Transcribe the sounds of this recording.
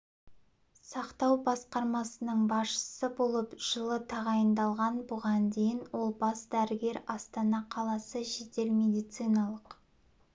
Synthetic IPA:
sɑqt̪ɑwbɑsqɑɾmɑsənəɴbɑsʃə̥səbo̞lˠəpʒ̥əlˠət̪ʰɑʁɑjənd̪ɑlˠʁɑnbʊʁɑnd̪e̞jɪnwo̞lˠbɑsd̪æɾɪɡʲe̞ɾɑst̪ɑnɑqʰɑlˠɑsəʒe̞t̪e̞lme̞d̪ijt̪sɨjnɑlˠəq

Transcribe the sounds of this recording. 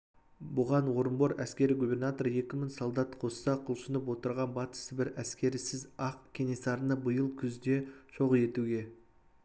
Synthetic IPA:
bʊʁɑnwo̞ɾəmboɾæskʲe̞ɾiɡubʲe̞rnat̪o̞ɾje̞kʲɪmɪŋsolˠd̪ɑt̪qʰo̞ssɑqʰʊlˠʃənəpwo̞t̪əɾʁɑnbɑt̪ə̥səbɪɾæskʲe̞ɾɪsɪzɑqkʲʰe̞nʲe̞sɑɾənəbəjəlˠkʲʰʏzd̪e̞ʒo̞ʁəje̞t̪uɡʲe̞

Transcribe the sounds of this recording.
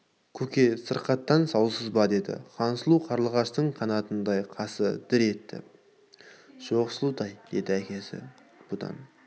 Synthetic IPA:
kʲʰɵkʲe̞səɾqɑt̪ːɑnsɑwsəzbɑd̪e̞d̪ɪ̰qʰɑnsəlˠuqʰɑɾlˠəʁɑʃt̪əɴqʰɑnɑt̪ənd̪ɑjqʰɑsəd̪̥ɪɾe̞t̪ːɪ̰ | ʒ̥o̞ʁsəlˠud̪ɑjd̪̥e̞d̪ɪækʲe̞sɪ̰ | b̥ʊd̪ɑ̰n

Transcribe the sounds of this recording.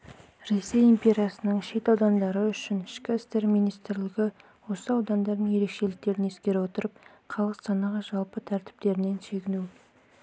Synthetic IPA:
ɾe̞sːe̞jimpʲe̞ɾʲijɑsənəɴʃe̞t̪ɑwd̪ɑnd̪ɑɾəʏʃɪnɪʃkʲɪɪst̪e̞ɾmijnijst̪ɾlɪɡʲɪ | wo̞səɑwd̪ɑnd̪ɑɾd̪əɴje̞ɾe̞kʃe̞lɪk̚t̪e̞ɾɪne̞skʲe̞ɾɪwo̞t̪əɾəp̚ | qʰɑlˠʁəɑnɑʁɑʒɑlˠpət̪ʰæɾt̪ɪ̥p̚t̪e̞ɾɪne̞nʃe̞ɡʲɪnu

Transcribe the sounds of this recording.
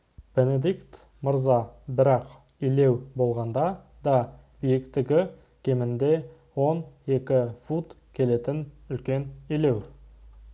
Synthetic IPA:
b̥e̞ned̪ikt̪ | mʊɾzɑbɪɾɑq | ile̞wbo̞lˠʁɑnd̪ɑ | d̪ɑ | bijɪkt̪ɪɡʲɪ | kʲʰe̞mɪnd̪e̞ | wo̞ne̞kʲɪfut̪kʲʰe̞le̞t̪ɪnʏlkʲe̞nile̞w

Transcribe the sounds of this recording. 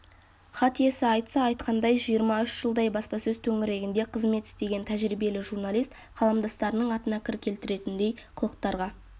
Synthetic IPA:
χɑt̪ije̞sɪɑjt̪sɑːjt̪qʰɑnd̪ɑjʒijəɾmɑʏʃʒ̥əlˠd̪ɑjbɑspɑsɵzt̪ʰɵŋɪɾe̞ɡʲɪnd̪e̞qʰəzme̞t̪ɪ̥st̪e̞ɡʲe̞nt̪ʰæʒɾibe̞lɪʒuɾnalˠijst̪ | qʰɑlˠɑmd̪ɑst̪ɑɾənəɴɑt̪ənɑkʲʰɪɾɪkʲʰe̞lt̪ɪɾe̞t̪ɪnd̪e̞jqʰʊlˠəqt̪ɑɾʁɑ

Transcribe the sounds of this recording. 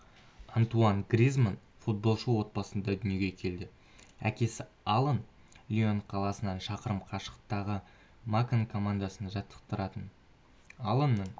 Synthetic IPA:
ɑnt̪uɑnɡɾʲizman | fut̪̚bo̞lˠʃəwo̞t̪̚bɑsənd̪ɑd̪ʏnjeɡʲekʲʰe̞ld̪ɪ | æ̰kʲe̞sɪ | ɑlˠən | lʲio̞nqʰɑlˠɑsənɑnʃɑqəɾəmqʰɑʃə̥qt̪ɑʁə | makankʰo̞mand̪asənʒɑt̪ʰːə̥q̚t̪əɾɑt̪ən | alˠənːəɴ

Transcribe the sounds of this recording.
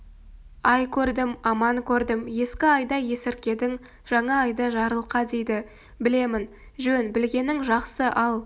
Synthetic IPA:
ɑjkʲʰɵɾd̪ɪmɑmɑŋkʲʰɵɾd̪ɪmje̞skʲɪɑjd̪ɑje̞sɪɾkʲe̞d̪ɪŋ | ʒ̥ɑɴɑːjd̪ɑʒɑɾəlˠqɑd̪e̞jd̪ɪ | bɪle̞mɪn | ʒɵnbɪlɡʲe̞nɪŋʒɑqsəʔɑlˠ

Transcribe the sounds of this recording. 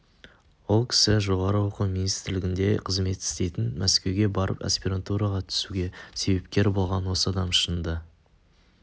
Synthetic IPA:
wo̞lˠkʲʰɪ̥sɪʒo̞ʁɑɾəwo̞qəminijst̪ɪɾlɪɡʲɪnd̪e̞qʰəzme̞t̪ɪ̥st̪e̞jt̪ɪnmʔæskʲe̞wɡʲe̞bɑɾə̰pa̰spʲiɾant̪uɾɑʁɑt̪ʰʏ̥suɡʲe̞se̞be̞p̚kʲe̞ɾbo̞lˠʁɑnwo̞səɑd̪ɑmʃənd̪ə

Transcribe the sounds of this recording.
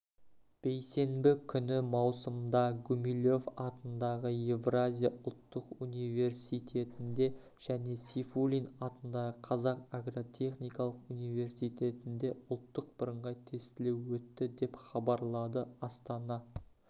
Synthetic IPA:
b̥e̞jse̞mbɪkʲʰʏnɪmɑwsəmd̪ɑɡumilʲo̞fɑt̪ənd̪ɑʁəjevrazʲijaʔʊlˠt̪ːəqunijve̞ɾsijt̪ʰe̞t̪ɪnd̪e̞ | ʒ̥æne̞sʲifulʲinɑt̪ənd̪ɑʁəqʰɑzɑqaɡro̞t̪ʲʰe̞χnijkɑlˠəqunijve̞ɾsijt̪ʰe̞t̪ɪnd̪e̞ʊlˠt̪ːəq̚bəɾəɴʁɑt̪ʰe̞st̪ɪle̞wwɵt̪ːɪd̪e̞pχɑbɑɾlˠɑd̪əɑst̪ɑnɑ

